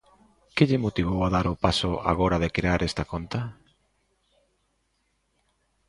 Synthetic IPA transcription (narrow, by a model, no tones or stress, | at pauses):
kɪʎɪmot̪iβ̞owaðaɾʊpasʊa̰ɣoɾaðekɾeaɾʔest̪akont̪a